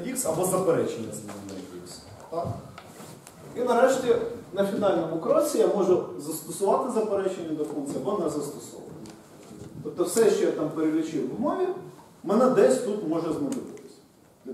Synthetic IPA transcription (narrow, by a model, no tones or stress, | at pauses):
ʋʲiksɐbɔzɐpeɾɛt͡ʃenʲːɐzmɔnɛ̰ʋʲḭks | t̪ɑk | inɐɾɛʃtʲinɐfʲinɑlʲnɔmʊkɾɔsʲijamɔʒɛzɐst̪ɔsʊʋɑt̪ɪzɐpeɾɛt͡ʃenʲːɐd̪ɐfunk̪t͡sʲiɐbɔnɛzɐst̪ɔ̥sɔ̰ʋɐ̰nʲi | t̪ɔp̚t̪ɔwsɛʃt͡ʃɔjat̪ɑmpeɾelʲɪt͡ʃɪwʋmɔʋʲi | menɛd̪ɛsʲt̪ut̪mɔʒɛzmɐʒʲɪʋɪt̪ɪ̥sʲɐ̥